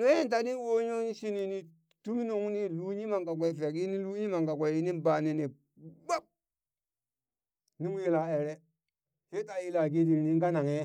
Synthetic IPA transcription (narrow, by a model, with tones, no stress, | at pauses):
n˦e˦nta˨ni˦wo˦ɲo˦ʃi˦ni˨ni˨ | tu˦mi˦no˨ŋu˦ni˦lu˦ɲi˦ma˨ŋɡa˨ɡ̬ʷa˨i˨fe˨ki˦ni˦lu˦ɲi˦ma˨ŋɡa˨ɡʷa˨i˦ni˦ba˨ni˨ni˨ | ba˦p̚ | ni˦m˦ji˨la˨e˨ɾe˦ | he˦ta˨ji˦˨la˨ɡe˦di˨ɾni˦ŋ˦ɡa˦na˨ŋe˦